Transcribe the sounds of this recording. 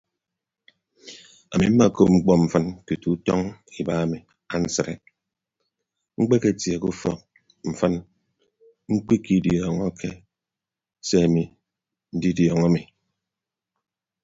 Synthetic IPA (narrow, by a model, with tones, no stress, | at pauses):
a̰˨mi˨m̩˦ma˦˨ko˦p̚ŋ͡m̩˦k͡pɔ˦m̩˨fə˦nku˨tu˨˦tɔ˦ŋi˨ba˦a˨mi˨ | a˦n̩˦sə˨ɾḛ˨ | ŋ͡m̩˦k͡pe˦ke˨tje˨ku˦fɔ̰˨k̚ | m̩˨fə˦n | ŋ͡m̩˦k͡pi˦ki˦djɔː˨ŋɔ˦kʰe˦ | se˦a˨mi˨ | n̩˦di˦djɔ˨ŋa˦mi˨